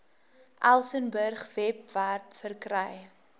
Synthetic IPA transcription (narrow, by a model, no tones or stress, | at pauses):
ʔælˠsənbərχvɛp̚værpfərkrəj